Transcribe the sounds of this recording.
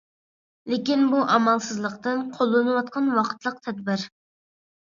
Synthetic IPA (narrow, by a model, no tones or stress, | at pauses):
lɪkʲinbuʔɑmɑlˠsɨzlˠəqt̪ɨnqʰolˠːɨnɨwɑt̪̚qʰɑnwɑqʰə̥t̪ʰlˠəq̚t̪ʰɛd̪bɪɾ